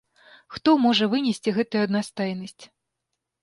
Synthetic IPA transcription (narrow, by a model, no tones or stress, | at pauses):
xt̪ɔmɔʐɐvɨnʲɛsʲt͡sʲiɣɛt̪ujuɐd̪nast̪ajnɐsʲt͡sʲ